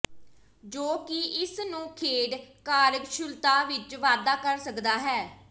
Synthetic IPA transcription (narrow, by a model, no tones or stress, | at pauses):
d͡ʒoːkɪɪsnũːkʰeːɖkaːɾəkʃʊlt̪aːʋɪt͡ʃʋaːd̪aːkəɾsəkd̪aːɦɛː